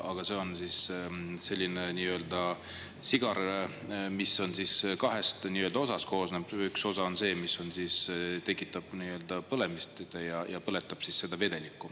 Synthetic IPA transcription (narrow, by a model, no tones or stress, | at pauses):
ɑɡ̥ɑse̞o̞nsiːsselʲːineniːø̞ːld̪̥ɑ | siɡ̥ɑɾ | misːo̞nsiskɑɦe̞st̪niːøld̪ɑo̞sɑst̪̚ko̞ːsneb̥ykso̞sɑo̞nse̞ːmisːo̞nsist̪e̞kːˑit̪ːˑɑb̥niːø̞ld̪̥ɑpɤle̞mist̪t̪ejɑjɑpɤle̞t̪ːˑɑb̥sisse̞d̪̥ɑve̞d̪̥e̞likːˑu